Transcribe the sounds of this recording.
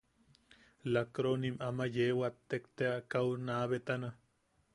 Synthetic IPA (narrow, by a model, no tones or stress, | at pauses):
lakɾonimʔamajewat̪ːekt̪eakaunaːβet̪ana